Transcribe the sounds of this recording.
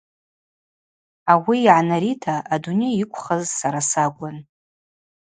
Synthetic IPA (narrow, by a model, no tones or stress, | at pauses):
awiːʕanaɾitʰaʔadune̞jikʷʰʼχazsaɾasakʷʼan